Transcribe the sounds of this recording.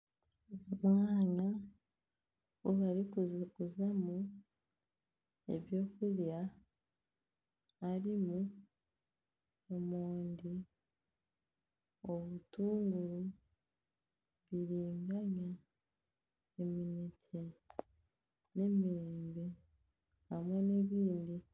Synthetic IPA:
omwaːɲa | woβaɾikuzkuzamu | ḛβjo̞ːkuɾja | ɾimu | omoːndi | oβutuːŋɡuɾu | βiɾiːŋɡaɲa | eminitʰe | ne̞miɾeːmbe | amwene̞βiːndi

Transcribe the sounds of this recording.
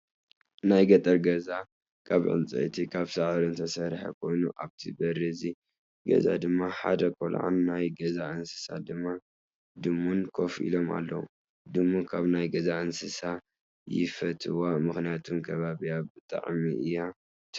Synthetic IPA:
najɡɐt̪ʼɐɾɡɐza | kʰaβʕɨ̰nt͡sʼɐ̰t̪ʰikʰaβsaʕɾunt̪ʰɐsɐɾħɐ̰kʰo̞jnuʔaβt̪ʰibɐɾizi | ɡɐ̰za̰d̪ɨmːaħa̰d̪ɐkʼo̰lʕa̰nːajɡɐzaʔɨnsɨ̥sa̰d̪ɨmːa | d̪ɨmːunkʰo̞fʔḭlo̞ma̰lːɐ̰wṵ | d̪ɨmːukʰaβnajɡɐzaʔɨnsɨsa | jɪ̰fɐt̪ʰɨwamɨxnijat̪ʰumkʰɐβaβijabɨt̪ʼa̰ʕmiʔɨjːa

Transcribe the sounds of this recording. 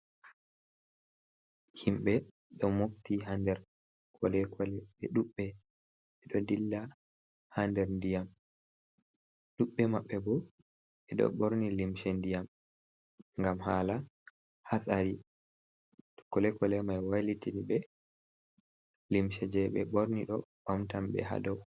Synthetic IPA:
himɓɛ | ɗɔmoftiɦandɛɾ | kʰɔlɛkʰɔlɛɓɛɗuɓːɛ | ɛɗɔdilːa | handɛɾndijam | ɗuɓːɛmaɓːɛbɔ | ɛɗɔ̰ɓoɾnilimʃɛndijam | ŋɡamhaːla | hasaɾi | tɔ̥kɔlɛkɔlɛmajwalitinibɛ | limʃɛd͡ʒɛɓɛɓoɾniɗɔɓamtambɛ̰ɦa̰dɔw

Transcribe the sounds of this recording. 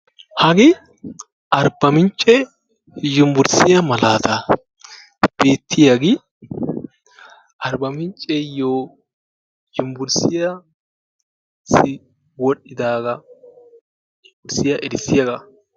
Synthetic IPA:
hɐɡɪ | ʔɐɾbɐmɪnt͡ʃʼːɛ | jʊmbʊɾsɪjɐmɐlaːt̪ɐ | b̥eːt̪ːɪjɐɡɪ | ʔɐɾbɐmɪnt͡ʃʼːɛjoː | jʊmbʊɾsɪja | sɪ | wɔɗːɪd̪aːɡɐ | jʊmbʊɾsɪjɐʔɛɾɪsːɪjɐɡɐ

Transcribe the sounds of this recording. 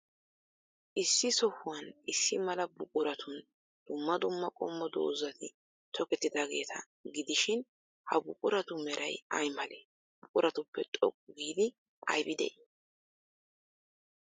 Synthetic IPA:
ʔɪsːɪsɔhʊwɐnɪsːɪmɐlɐbʊkʼʊɾɐt̪ʰʊn | d̪̥ʊmːɐd̪ʊmːɐkʼɔmːɔd̪o̰ːzɐt̪ʰɪ | t̪ʰɔkɛt̪ːɪd̪aːɡe̞̰ːt̪ʰɐ̰ | ɡɪd̪ɪʃɪn | hɐbʊkʼʊɾɐt̪ʊmɛɾʔɐjɐjmɐleː | bʊkʼʊɾʔɐt̪ʊpːɛt̪ʼɔ̰kʼːʊɡiːd̪ɪ | ʔɐ̰jbɪd̪ɛ̰j

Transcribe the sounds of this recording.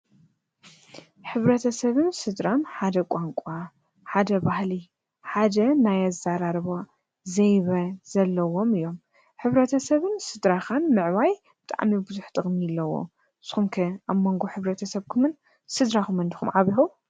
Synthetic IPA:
ħɨβɾɐt̪ʰɐsɐβɨnsɨd̪ɾamħad̪ɐkʼaŋkʷʼa | ħad̪ɐbahli | ħad̪ɐnajazːaɾaɾβo | zɐjβɐzɐlːɐwo̞mɨjːo̞m | ħɨβɾɐt̪ʰɐsɐβɨnsɨd̪ɾaxanmɨʕwaj | bɨt̪ʼa̰ʕmibɨzuħt̪ʼɨχʼmiɨlːɐwo̞̰ | sxumkʰɐamo̞ŋɡo̞ħɨβɾɐt̪ʰɐsɐβkʰumɨn | sɨd̪ɾakumɨnd̪ixṵmʕaβixu

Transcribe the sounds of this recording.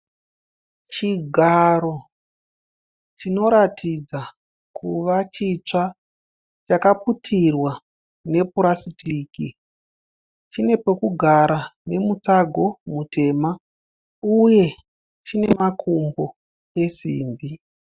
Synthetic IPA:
t͡ʃiɡʱaɾo̞ | t͡ʃino̞ɾatʰid͡za | kʰuʋat͡ʃit͡ʂa | t͡ʃakaputʰirwa | ne̞puɾasitiːki | t͡ʃine̞po̞kuɡʱaɾane̞mut͡saɡʱo̞mute̞ːma | uje̞ | t͡ʃine̞makʰumbo̞ | e̞sḭːmbi

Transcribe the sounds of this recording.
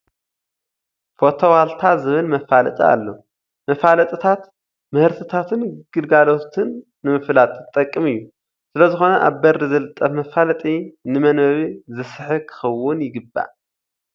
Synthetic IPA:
fo̞t̪ʰo̞walt̪ʰazɨβɨlmɐfalɐt̪ʼia̰lːo̰ | mɐfalɐt̪ʼɨt̪ʰat̪ | mɨhɨɾt̪ʰɨt̪ʰat̪ʰɨnɡ̥ɨlɡalo̞t̪ʰɨnː | ɨmɨflat̪ʼt̪ʼːɐkʼːɨmɨjːu | sɨlɐzɨxo̞nɐʔa̰βbɐrizɐlɨt̪ʼːɐfmɐfalɐt̪ʼinɨmɐnɐβizɨsɨħɨkʰɨ̥xɐwːʊnjɪɡɨbːa̰

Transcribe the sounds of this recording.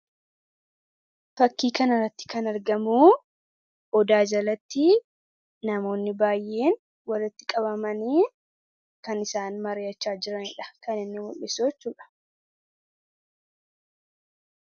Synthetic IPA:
fɐkːiːkɐnɐrːɐt̪ːɪ̥kɐnɐɾɡɐmuː | ʔɔd̪aːd͡ʒɐlɐt̪ːɪ | nɐmo̞ːnːɪbaːjːe̞ːn | wɐlɪt̪ːɪkʼɐbɐmɐniː | kɐnɪsaːnmɐɾeːɐt͡ʃːaːd͡ʒɪɾɐnɪᶑɐ̥kɐnɪnːɪmʊlːɪsot͡ʃːuːᶑɐ̥

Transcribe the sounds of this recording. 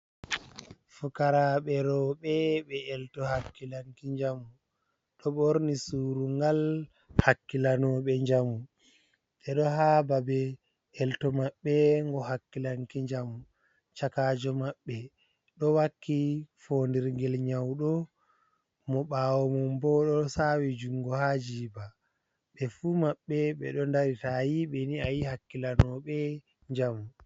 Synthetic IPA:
fukaɾaɓɛɾɔɓɛɓɛɛltɔhakːilaŋkiɲd͡ʒamu | ɗɔɓoɾnisuːɾuŋɡal | hakːilanɔɓɛɲd͡ʒamːu | ɓɛɗɔɦababɛ | ɛltɔmaɓːɛŋɡɔhakːilaŋkiɲd͡ʒamu | t͡ʃakaːd͡ʒɔmaɓːɛ | ɗɔwakːifondiɾŋɡɛlɲawɗɔ | mɔɓaːwɔmɔmbɔɗɔsawid͡ʒuŋɡɔhad͡ʒiːba | ɓɛfumaɓːɛɓɛ̰ɗɔndaɾitajiɓɛniajihakːilanɔɓɛ | ɲd͡ʒamu

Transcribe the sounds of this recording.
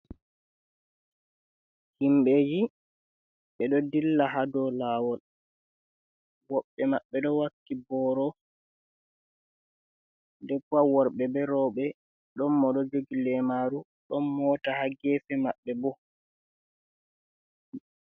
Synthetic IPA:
himɓed͡ʒi | ɓɛɗɔdilːaɦadɔlaːwɔl | wɔɓːɛmaɓːɛɗɔwakːibɔɾɔ | ndɛkuawɔɾɓɛbɛɾɔːɓɛ | ɗɔmːɔɗɔd͡ʒoɡilɛmaɾu | ɗɔmːɔːtahaɡɛfɛmaɓːɛbɔ

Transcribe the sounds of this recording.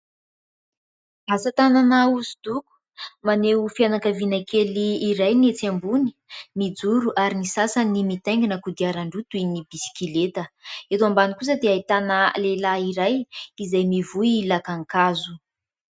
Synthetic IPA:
asət̪ananauzid̪uku̥ | maneufianakəvinakʰeliːɾajniet͡sambuni̥ | mid͡zuɾuʔaɾinisasənimit̪ajŋɡinəkud̪iaɾaɳɖ͡ʐut̪uinibisi̥kilet̪əet̪uambanikus̬əd̪eait̪anəlelaiɾajizajmivuilakaŋkazu̥

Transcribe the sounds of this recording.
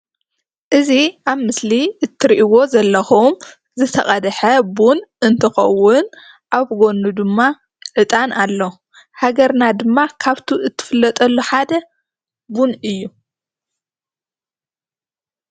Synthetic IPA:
ʔɨziʔaβmɨsliʔɨt̪ʰːɨɾiʔiwo̞zɐlːɐxum | zɨt̪ʰɐχʼɐd̪ħɐbunʔɨnt̪ʰɨxɐ̰wːʊn | ʔaβɡo̞nːud̪ɨmːa | ʕɨt̪ʼanalːo̞ | haɡɐɾnad̪ɨmːakʰaβt̪ʰuɨt̪ʰːɨ̥fɨlːɐt̪ʼɐlːuħad̪ɐ | bunɨjːu

